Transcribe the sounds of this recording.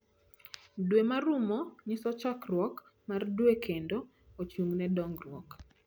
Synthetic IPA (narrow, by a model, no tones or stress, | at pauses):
dwemaɾumɔɲisɔt͡ʃakrwɔk | mardwekʰendo | ot͡ʃuŋnɛdɔŋɡrwɔk